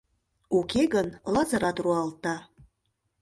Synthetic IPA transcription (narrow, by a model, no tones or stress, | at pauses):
ukeɡənlɑzɑɾɑt̪ruɑlt̪ɑ